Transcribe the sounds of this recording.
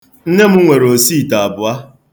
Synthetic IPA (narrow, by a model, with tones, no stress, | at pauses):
n̩˦ne˦m̩˦ŋʷe˨ɾo˨si˦˨ta˨a˨bʊ˨a˦